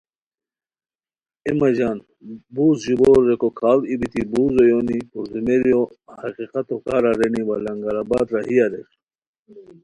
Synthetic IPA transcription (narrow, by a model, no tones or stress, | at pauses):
imɐd͡ʑaːn | buːzʑuboːɾːekokʰaːlibit̪ibuːzojonipuzumeɾijo | hɐqiqat̪okaɾaɾeniwalɐŋɡaɾabaːd̪ɾahijaɾek